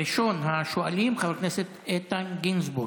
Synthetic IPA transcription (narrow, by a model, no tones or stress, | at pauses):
iʃo̞nɦaʃoalimχavekneset̪et̪anɡinzbu